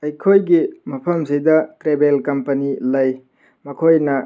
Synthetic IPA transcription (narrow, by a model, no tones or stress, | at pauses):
ɐjkʰojɡimɐpʰɐmsijdɐtɾebelkɐmpɐnilɐj | mɐkʰojnɐ